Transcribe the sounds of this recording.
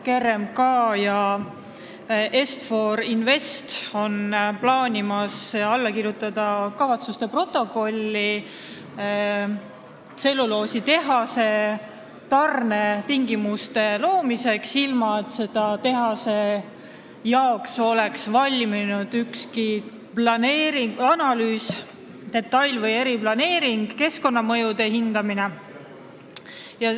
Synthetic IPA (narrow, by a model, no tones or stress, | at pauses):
ke̞remkɑːjɑ | ʔe̞st̪fo̞ɾinve̞st̪o̞nplɑːnʲimɑsɑlːɑkiɾjut̪ːˑɑd̪̥ɑkɑvɑt̪sust̪e̞pro̞t̪ːˑo̞ko̞lʲːi | se̞lːulo̞ːsit̪e̞ɦɑse̞ | t̪ɑrnet̪iŋɡimust̪e̞lo̞ːmise̞ksilmɑet̪ːˑse̞d̪̥ɑt̪e̞ɦɑse̞ | jɑokso̞le̞ksvɑlʲminud̪̥ykski | plɑne̞ːɾiŋɡɑnɑlyːs | d̪̥e̞t̪ːˑɑjlvɤje̞ɾiplɑne̞ːɾiŋɡ̥ke̞sko̞nːɑmɤ̞jud̪̥e̞ɦind̪ɑmine̞ | jɑ